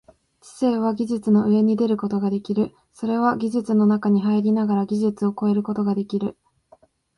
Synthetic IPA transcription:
t͡ɕi̥se̞ːβ̞aɡʲiʑɨt͡sɨno̞ɯ̟e̞ɲ̟id̪e̞ɾɯ̟ko̞t̪o̞ɡad̪e̞kʲiɾɯ̟ | so̞ɾe̞β̞aɡʲiʑɨt͡sɨno̞nakaɲ̟iɦaiɾʲinaɡaɾaɡʲiʑɨt͡sɨo̞ko̞e̞ɾɯ̟ko̞t̪o̞ɡad̪e̞kʲiɾɯ̟

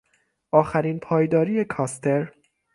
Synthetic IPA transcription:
ʔɒːxæɾiːnpʰɒːjd̪ɒːɾijekʰɒːst̪ʰe̞ɾ

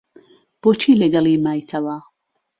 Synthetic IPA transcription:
b̥ot͡ʃʰiːlɛɡalimajt̪ʰava

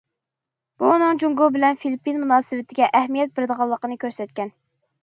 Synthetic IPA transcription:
b̥uːnɨŋd͡ʒuŋɡobɪlɛnfilipːinmunɑːsɨwɪt̪ʰɪɡʲɛʔɛhmijɛt̪̚bɪɾɪd̪əʁɑlˠːəqənɨkʲʰøɾsɛt̪̚kʲɛn

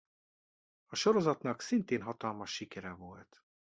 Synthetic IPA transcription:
ɒʃoɾo̞zɒt̪nɒksint̪eːnɦɒt̪ɒlmɒʃːikɛɾɛvolt̪

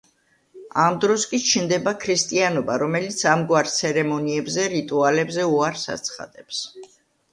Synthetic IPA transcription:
amd̪ɾɔskʼit͡ʃʰind̪ɛbakʰɾist̪ʼianɔbaɾɔmɛlit̪sʰamɡwaɾt̪sʰɛɾɛmɔniɛbzɛɾit̪ʼualɛbzɛuaɾsa̰t̪sʰχa̰d̪̥ɛps

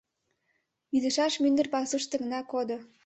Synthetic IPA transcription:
id̪ə̆ʃɑʃmynd̪ə̆rpɑsɤʃt̪ə̆ɣə̆nɑkod̪o

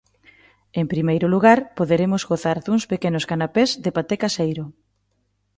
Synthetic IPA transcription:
empɾimejɾʊluɣaɾpoðeɾemʊzɣoθaɾðuŋspekenʊskanapezðepat̪ekasejɾʊ

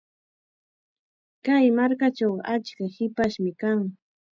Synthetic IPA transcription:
kajmaɾkat͡ʃawat͡ʃkahɪpaʃmɪkaŋ

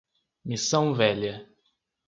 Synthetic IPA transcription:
misɐ̃w̃vɛʎɐ

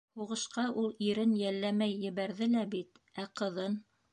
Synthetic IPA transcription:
huʁɤ̆ʃqɑʔulˠiɾɘnjælːæmæjːɘ̆βæɾðɘlæbit̪æqɤ̆ðɤn

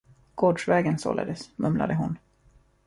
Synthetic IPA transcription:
ɡ̥oːɖʂvɛːɡənso̰ːla̰d̪əsmɵmla̰d̪əɦʊn

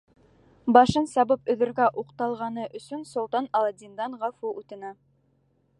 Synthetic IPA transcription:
bɑʃɤnsɑβɤpɵ̆ðɵ̆ɾɡæʔuqt̪ɑlˠʁɑnɤʔɵ̆sɵnsŏlˠt̪ɑnɑlˠɑd̪ʲind̪ɑnʁɑfuʔʉt̪ɤ̆næ

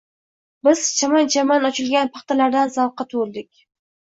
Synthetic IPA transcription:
bɪzt͡ʃʰamant͡ʃʰamanɒt͡ʃʰɪlɡʲanpʰɑχt̪alaɾd̪anzawqːɑt̪ʰʊɪlˠd̪ɪkʲ

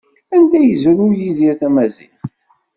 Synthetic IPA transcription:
ænd̪æjəzəɾujiðjæθæmæzḭχθ

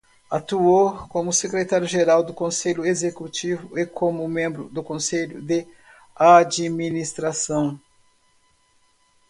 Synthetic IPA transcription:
at̪uokõmʊsekɾet̪aɾjʊʒeɾawd̪ʊkõseʎʊezekut͡ʃivʊekʰõmʊmẽmbɾʊd̪ʊkõseʎʊ̰d̪e | ad͡ʒiminist̪ɾasɐ̃w̃

